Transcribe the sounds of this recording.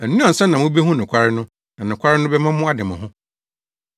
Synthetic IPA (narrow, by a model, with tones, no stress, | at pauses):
ɛ˨nũ˦ã˨n̩˨sɛ̃˦nã˨mʊ̃˦be˦ɦʊ̃˦nʊ̃˨kʰʷa˦ɾɪ˦nʊ̃˦ | nã˨nʊ̃˨kʷʰa˦ɾɪ˦nʊ̃˦bɛ˦mã˦mʊ̃˦a˦dɪ˨mã˨ɦʊ̃˦